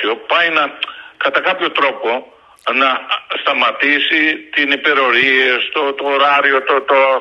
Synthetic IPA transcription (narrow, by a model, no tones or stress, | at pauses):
opɐjnɐkɐt̪ɐkɐpço̞t̪ɾo̞po̞ | nɐst̪ɐmɐt̪isit̪inipe̞ɾo̞ɾiest̪ot̪oːɾɐɾiot̪ot̪o